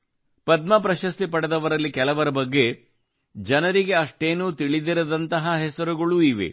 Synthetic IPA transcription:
pɐd̪mɐpɾɐʃɐst̪ipɐɽɐd̪ɐʋɐɾɐlːikɛlɐʋɐɾɐbɐɡːe̞ | d͡ʒɐnɐɾiɡe̞ɐʂʈeːnuːt̪iɭid̪iɾɐd̪ɐnt̪ɐɦɐɦɛsɐɾuɡɐɭuiʋḛ

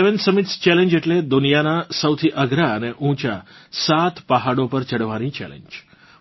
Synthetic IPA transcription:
eʋensəmit̪st͡ʃɛlẽɲd͡ʒeʈled̪unijanasəwt̪ʰiʔəɡɾaəneʔũt͡ʃasat̪ʰpəɦaɽopəɾt͡ʃəɽʋanit͡ʃɛ̰lḛɲd͡ʒ

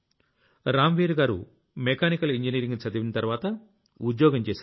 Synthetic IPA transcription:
ɾaːmʋiːɾɡaːɾṵ | mekaːnikɐliɲd͡ʒɐniːɾiŋɡnit͡ʃɐd̪iʋinɐt̪ɐɾʋaːt̪ɐ | ud̪jɔːɡɐmt͡ʃeːs

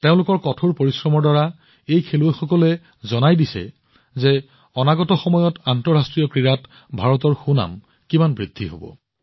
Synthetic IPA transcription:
teʊ̃lʊkɔɹkɔtʰoɹpoɹisɹɔmɔɹdaɹa | ejkʰeluexɔkɔlɛ | zɔnajdisɛ̰ | ze | ɔnaɡɔtɔxɔmɔjɔtantɔɹastɹijɔkɹiɹat | bʱaɹɔt̬ɔɹxuna̰m | kimanbɹidʱːiɦo̰bɔ̰

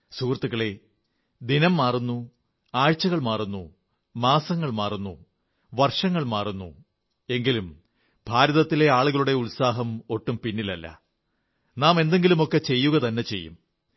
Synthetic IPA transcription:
suːrɐt̪ːuɣɐɭe̞ | d̪inɐmːaːrunːu | aːɻt͡ɕːɐɣɐɭmaːrunːu | maːsɐŋːɐɭmaːrunːṵ | ʋɐrʂɐŋːɐɭmaːrunːṵ | e̞ŋɡilum | bʱaːɾɐðɐt̪ːile̞aːɭuɣɐɭuɽe̞ulsaːɦɐmo̞ʈːumpinːilɐ̰lːɐ̰ | naːme̞nd̪e̞ŋɡilumo̞kːe̞t͡ɕe̞jːuɣɐt̪ɐnːe̞t͡ɕe̞̰jːṵm

